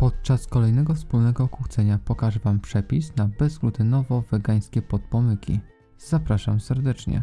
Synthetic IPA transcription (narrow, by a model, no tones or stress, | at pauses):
pɔt̪̚t͡ʂaskɔlɛjnɛɡɔfspulnɛɡɔːkwuxt̪sɛɲapɔkaʐvampʂɛpʲisnabɛzɡlut̪ɘnɔvɔvɛɡaj̃skʲɛpɔt̪̚pɔmɘkʲḭ | z̥apɾaʂa̰msɛɾd̪ɛt͡ʂɲɛ̰